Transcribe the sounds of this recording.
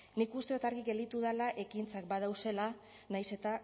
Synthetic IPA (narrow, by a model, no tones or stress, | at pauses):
nikust̪eot̪aɾɣiɡe̞ld̪it̪uðalaʔe̞kint͡sakbaðawse̞la | najse̞t̪a